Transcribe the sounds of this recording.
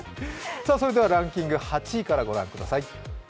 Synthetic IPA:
saːso̞ɾe̞d̪e̞βaɾãŋkʲĩŋɡɯ̟hat͡ɕikaɾaɡo̞ɾã̰ŋkɯ̟d̪asai

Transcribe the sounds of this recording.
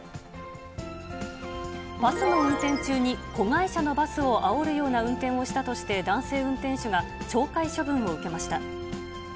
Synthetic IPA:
b̥asɨno̞ɯ̟̃nt̪ẽ̞ɲt͡ɕɨːɲ̟iko̞ɡaiɕano̞basɨo̞ʔao̞ɾɯ̟jo̞ːnaɯ̟̃nt̪ẽ̞ɰ̃o̞ɕi̥t̪at̪o̞ɕi̥t̪e̞d̪ãɰ̃se̞ːɯ̟̃nt̪ẽ̞ɰ̃ɕoɡat͡ɕo̞ːkaiɕobɯ̟̃ɰ̃o̞ɯ̟ke̞maɕi̥t̪a

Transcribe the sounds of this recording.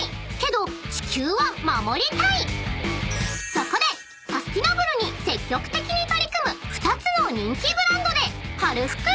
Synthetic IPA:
ke̞d̪o̞t͡ɕi̥kʲɨːβamamo̞ɾʲit̪ai | sakane | sasɨ̥kʲinabɯ̟ɾɯɲ̟ise̞kʲːo̞kɯ̟̥t̪e̞kʲiɲ̟it̪o̞ɾʲikɯ̟mɯ̟ɸɯ̟̥t̪at͡sɨno̞ɲ̟ĩŋkʲibɯ̟ɾãnd̪o̞d̪e̞haɾɯ̟ɸɯ̟̥kɯ̟

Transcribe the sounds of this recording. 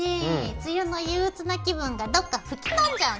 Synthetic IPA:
et͡sɨjɯno̞jɯːɯt͡sɨnakʲibɯ̟̃ŋɡad̪o̞kːaɸɯ̟kʲinãɲd͡ʑaɯ

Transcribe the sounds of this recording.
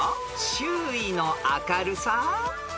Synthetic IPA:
ɕɨːinoʔakaɾɯ̟sa

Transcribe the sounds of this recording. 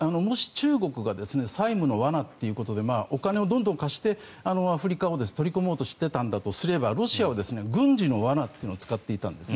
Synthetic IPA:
ano̞mo̞ɕi̥t͡ɕɨːɡo̞kɯ̟ɡad̪e̞sɨne̞saimɯ̟no̞βanat̪ːe̞jɯ̟ko̞t̪o̞d̪e̞maːʔo̞kane̞o̞d̪ond̪õ̞ŋkaɕi̥t̪e̞ | ano̞aɸɯ̟ɾʲikao̞d̪esɨ̥t̪o̞ɾʲiko̞mo̞ːt̪o̞ɕi̥t̪ːe̞t̪ãnd̪at̪o̞sɨɾe̞baɾo̞ɕiaβd̪e̞sɨne̞ɡɯ̟̃ɲ̟d͡ʑino̞βanat̪ːeiɯnot͡ssɨ̥kat̪ːe̞it̪ã̰nd̪e̞sn

